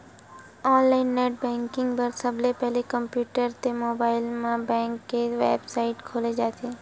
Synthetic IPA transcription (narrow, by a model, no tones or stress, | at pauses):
ɔːnlaːɪnːeːʈ̚bɛ̃ːŋkɪ̃ŋɡbəɾsəblepɛɦlekəmpjuːʈəɾt̪emoːbaːɪlmãbɛ̃ːŋkːeʋḛːbsaːɪʈkʰoːled͡ʒaːt̪ʰeː